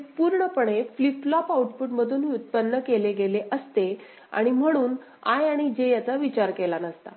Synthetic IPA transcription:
puɾɳəpəɳefliplɔpauʈpuʈməd̪ʱuːniut̪̚pənːəkeleɡeleʔəst̪e | a̰ɽ̃im̤əɽ̃uːn | a̰jaɽ̃id͡ʑejat͡saʋit͡ɕaɾkelanəst̪a̰

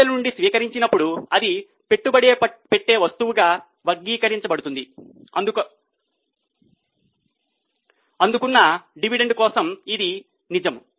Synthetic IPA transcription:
ɐlɐnuɳɖisʋiːkɐɾiɲt͡ʃinɐpːuɽuɐd̪i | pe̞ʈːubɐɽeːpe̞ʈːe̞ːʋɐst̪uʋuɡaː | ʋɐɡːiːkɐɾiɲt͡ʃɐbɐɽut̪und̪iɐd̪uk | ɐnd̪ukunːɐɖiʋiɖe̞ɳɖkɔːsɐmid̪i | nid͡ʒɐmu

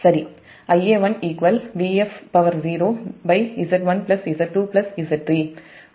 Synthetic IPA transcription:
sɐɾi | ɐjeːʋɐniːkʋɐlʋiefpɐʋɐɾziːɾoːbɐɪisɐʈʋɐnplɐsiːsɐʈʈːuːplɐsiːsɐʈ̚ʈɾiː

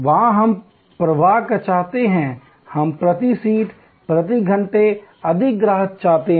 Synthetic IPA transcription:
ʋɐɦãɦɐm | pɾɐʋaːkat͡ʃaːɦt̪eɦɛ̃ | hɐmpɾɐt̪isiːʈ | pɾɐt̪iɡʱɐ̃ɳʈeɐd̪ʱɪk̚ɡɾaːɦət̪̚t͡ʃaːt̪eɦ

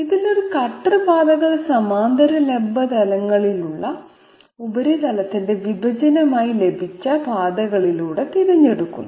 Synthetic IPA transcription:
iðilo̞ɾukɐʈrɨbaːd̪ɐɣɐɭsɐmaːnd̪ʱɐɾɐlebːɐd̪ɐlɐŋːɐɭiluɭːɐ | ubɐɾit̪ɐlɐt̪ːinde̞ʋibʱɐd͡ʑɐnɐmaːjile̞bʱit͡ɕːɐpaːd̪ɐɣɐɭiluːɽe̞t̪iɾɐɲːe̞ɽukːṵnː

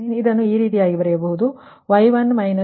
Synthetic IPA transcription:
id̪ɐnːuiːɾiːt̪ijaːɡibɐɾɛjɐbɐɦud̪u | ʋɐjʋɐnːmɐjnɐ

